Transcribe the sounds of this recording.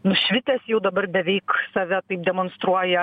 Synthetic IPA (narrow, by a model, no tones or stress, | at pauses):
nʊʃʲʋʲɪt̪ʲɛːsjɛʊd̪ɐbɐrbʲɛʋʲɛɪksɐʋʲɛt̪ɐɪp̚d̪ʲɛmonst̪ɾuɔjɛ